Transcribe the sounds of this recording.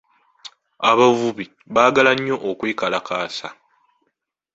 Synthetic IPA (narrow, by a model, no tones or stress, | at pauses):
aβavuβi | βaːɡalaɲːo̞ʔokwiːkalakaːsa